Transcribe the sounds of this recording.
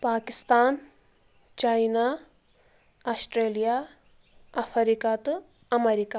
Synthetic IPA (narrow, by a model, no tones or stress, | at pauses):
paːkist̪aːn | t͡ʃaina | asʈɾeːlija | ɐpʰɾikat̪u | ɐmeɾika